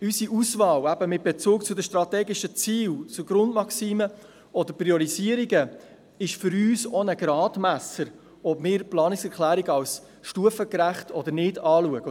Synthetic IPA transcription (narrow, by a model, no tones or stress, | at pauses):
ysiʔusvɑːwæbəmɪt̚b̥et͡suːkt͡sʊd̪əʃtɾɑt̪ɛːɡɪʃət͡siːwt͡sʊɡ̥ɾʊndmɑksiːmə | ɔd̪əɾpɾiɔɾiziəɾiɡə | ɪʃfʏɾyːsonəɡ̥ɾɑːdmæsəɾ | ɔbmɪːɾplɑːnɪksɛɾklæːɾiɡɑws | ʃtuəfəkɾæχtʰɔd̪əɾnɪdɑːluəɡ̥ə